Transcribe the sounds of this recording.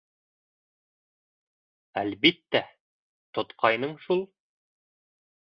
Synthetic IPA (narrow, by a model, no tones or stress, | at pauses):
ælβit̪ːæ | t̪ŏt̪qʰɑjnɤɴʃulˠ